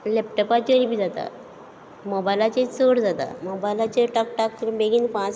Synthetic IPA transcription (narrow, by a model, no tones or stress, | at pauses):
lɛpʈɔpat͡ɕəɾibiːd͡zat̪a̰ | mobajlat͡ɕet͡soɽd͡zat̪a̰mobajlat͡ɕeʈakʈakbeɡiːnpãt͡s